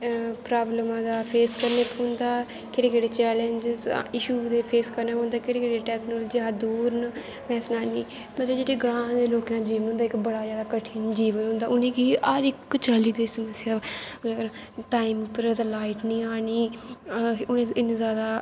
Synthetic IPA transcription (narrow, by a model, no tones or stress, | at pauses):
pɾaːbləmãːd̪aːpʰeːskəɾneːpɦõnd̪aː | kɪɽeːkeːɽeːt͡ʃɛːleɲd͡ʒɪz̰ɪʃuːd̪eːpʰeːskəɾnaːpõːnd̪aːkɪɽeːkeɽeːʈɛːknoːld͡ʒiad̪uːɾn | pɛːsnaːniː | mələd͡ʒeːɽeːɡɾãːd̪eːloːkjãːd͡ʒiːʋənɦʊ̃ːnd̪aːɪkbəɽaːzjaːd̪aːkəʈʰɪnd͡ʒiːʋənɦʊ̃ːnd̪aːʊnẽːkiaːɾɪkːt͡ʃaːliːd̪eːsəməsɪjaːɾã | ʈaːiːmupəɾad̪aːlaːɪʈnĩːaːniː | ʊnẽːɪnːzjaːd̪aː